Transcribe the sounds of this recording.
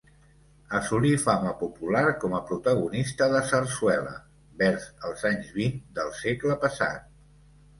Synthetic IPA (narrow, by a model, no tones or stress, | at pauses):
əsulifaməpupulaɾkɔməpɾut̪əɣunist̪əðəsərswɛlə̰ | bɛɾzəlˠzaɲzβind̪əlˠsekləpəsa̰t̪̚